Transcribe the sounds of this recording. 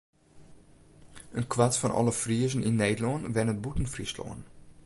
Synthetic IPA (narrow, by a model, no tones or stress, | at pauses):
ənkʰʋatfɔnʔɔ̰ləfriəzənɪnːeːdəlɔənʋɛnət̚butən̩frislɔ̰ən